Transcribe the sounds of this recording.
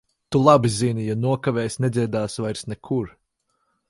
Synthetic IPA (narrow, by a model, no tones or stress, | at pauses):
t̪ulˠabizinʲijanuɔkaveːjsʲnɛd̪zʲiɛd̪aːsvajɾsnɛkʰuɾ